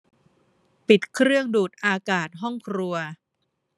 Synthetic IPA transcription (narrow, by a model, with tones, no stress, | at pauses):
pi˨˩t̪̚kʰɾɯ˥˩əŋduː˨˩t̪̚ʔaː˧kaː˨˩t̪̚ɦɔ˥˩ŋkʰɾu˧ɐ